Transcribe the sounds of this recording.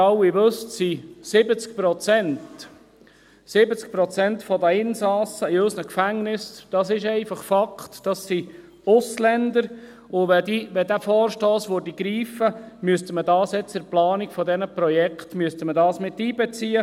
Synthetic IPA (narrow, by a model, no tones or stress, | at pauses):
ɑwɪʋøstsisɪbət͡skpɾɔt͡sɛnt | sɪbət͡sk̚pɾɔt͡sɛntfɔdæɪnsɑːsəiœsnəkfæŋnɪsd̥ɑsɪʃɛɪfɑχfɑkχtd̥ɑsːi | ʊslɛnd̪əɾ | ʊʋɛdiʋɛd̪æfɔːrʃtɔːsʋodiɡ̥ɾiːfəmyəst̪əmədɑːsɛt͡sːʊplɑːnikfɔd̪ɛnəpɾɔjɛkχtmyəst̪əmədɑːsmɪt̪ːiːbɛt͡siːə